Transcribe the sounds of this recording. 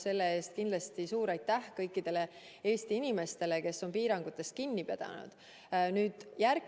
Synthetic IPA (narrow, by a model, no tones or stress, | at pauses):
se̞lːee̞ːst̪̚kind̪lɑst̪isuːɾɑjt̪ːæhkɤjkːˑid̪̥e̞le̞ | e̞ːst̪iinʲime̞st̪e̞le̞ke̞sːo̞npiːɾɑŋɡ̥ut̪ːˑe̞st̪̚kinːipe̞d̪̥ɑ̰nṵd̪̥ | nyːd̪̥jær